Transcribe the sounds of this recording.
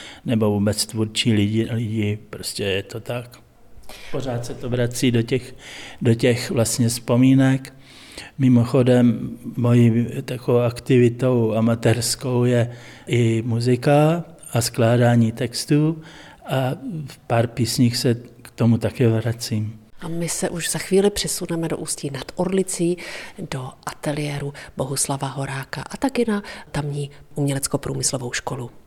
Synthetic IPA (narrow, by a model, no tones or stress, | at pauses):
nɛbo̞vuːbɛt͡st̪vuɾt͡ʃiːlɪɟɪlɪɟɪpɾoscɛjɛt̪o̞t̪ak | po̞ɾ̝aːt̪sɛt̪ovɾat͡siːdocɛxdocɛxvlast̪ɲɛspo̞miːnɛk | mɪmo̞xo̞dɛmːo̞jiːt̪akowakt̪ɪvɪt̪o̞wamat̪ɛɾsko̞wjɛ | ʔɪmuzɪka | asklaːdaːɲiːt̪ɛkst̪uː | ʔafpaɾpiːsɲiːxsɛkt̪omut̪akɛːvɾat͡siːmʔamɪsɛʔuʒz̥axviːlɪpr̥ɛsunɛmɛdoʔuːsciːnat̪uɾlɪt͡siːdo̞ʔat̪ɛlɪjɛːɾubo̞ɦuslavaɦo̞ɾaːkaʔat̪akɪnat̪amɲiːʔumɲɛlɛt͡sko̞pɾṵːmɪslo̞vowʃkolu